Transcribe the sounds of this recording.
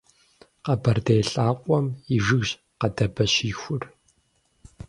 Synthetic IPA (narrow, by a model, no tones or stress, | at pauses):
qɐbɐrdejɬʼaːqʷʼɔmiʒɨɣʑ | qɐdɐbɐɕiːxʷʊr